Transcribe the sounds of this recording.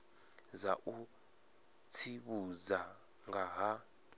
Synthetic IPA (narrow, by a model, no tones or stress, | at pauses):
zaʔu | t͡sʰiɓuza | ŋaɦa